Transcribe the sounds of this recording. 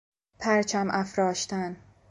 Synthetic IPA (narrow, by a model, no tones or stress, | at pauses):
pʰæɾt͡ʃʰæmʔæfɾɒːʃt̪æn